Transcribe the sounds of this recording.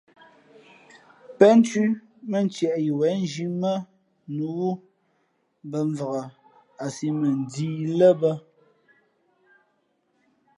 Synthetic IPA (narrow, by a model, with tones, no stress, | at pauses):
pɛ˦n˦ti˦ | mə˨n̩˦t͡ʃjɛ˨ʔji˨wɛ˨˦n˦d͡ʒi˦mə˦ | nu˨˦wu˦ | bə˨ɱ˨və˨ɣə˨ | a˨si˦mə˨n˨diː˦lə˦bə˦